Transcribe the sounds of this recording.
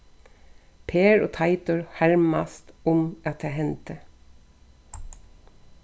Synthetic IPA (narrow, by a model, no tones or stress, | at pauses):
pʰeːɹo̰ːt̪ʰɑɪt̪ʊɹhæɹmɑst̪ʊmʔɑt̪̚d̪eːhɛnt̪ə